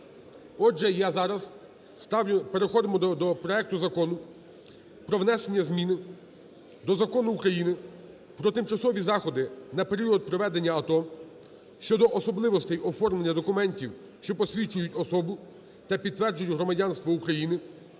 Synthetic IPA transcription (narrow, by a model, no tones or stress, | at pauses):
ɔʒɛjazɑɾɐz | spe̞ɾexɔd̪ɪmɔd̪ɔpɾɔɛk̚t̪ʊzɐkɔnʊ | pɾɔʋnɛse̞nʲːɐzmʲinɪ | d̪ɔzɐkɔnʊːkɾɐjinɪ | pɾɔt̪ɪmt͡ʃɐsɔʋʲizɑxɔd̪ɪnɐpe̞ɾʲiɔd̪̚pɾɔʋɛd̪e̞nʲːɐɐt̪ɔm | ʃt͡ʃɔd̪ɔʔɔsɔblˠɪʋɔst̪ɛjɔfɔrmlenʲːɐd̪ɔkʊmɛnʲtʲiw | ʃt͡ʃɔpɔsʲʋʲit͡ʃʊjʊtʲɔsɔbʊ | t̪ɐpʲid̪t̪ːʋɛrd͡ʒʊjʲʊɦɾɔmɐdʲanst̪ʋɔukɾɐjinɪ